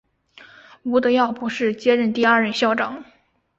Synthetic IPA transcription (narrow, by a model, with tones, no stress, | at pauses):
u˧˥d̪ə˧jɑ˥˩ʊpu˧˥ʂɻ̩˥˩t͡ɕjɛ˥ɻə˥˧nt̪i˥˧ɐ˞˥˧ɻə˥˧nɕjɑ˥˩ʊʈ͡ʂɑ˨˩˦ŋ